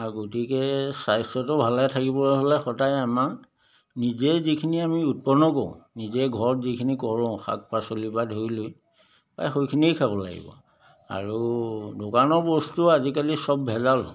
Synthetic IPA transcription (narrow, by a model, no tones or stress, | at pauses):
aɡotikɛsajsɔtɔbʱalajtʰakibɔlɦolɛxɔtajama | nizɛzikʰiniamiut̚pɔnɔkoʊ̃nizɛɡʱɔɹɔtzikʰinikɔɹɔ̃ʊ̃xa̰k̚pasolibadʱɦojloj | pa̰jxojkʰiniejkʰabɔla̰ɡḭbɔ̰ | a̰ɹudokanɔɹbɔstuazikalisɔbbʱɛzal